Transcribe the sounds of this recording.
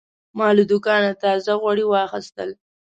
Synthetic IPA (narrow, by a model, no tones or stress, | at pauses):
mɑləd̪ʊkɑnat̪ɑzaɣwaɽiwɑxɪst̪əl